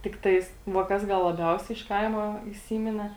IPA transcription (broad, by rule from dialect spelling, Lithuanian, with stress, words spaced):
tʲɪkˈtɐɪs ʋɐ ˈkɐs ˈɡɐlˠ lˠɐˈbʲɛʊsʲɛɪ ɪʃ ˈkɐɪmɐ iːˈsʲiːmʲɪnʲɛ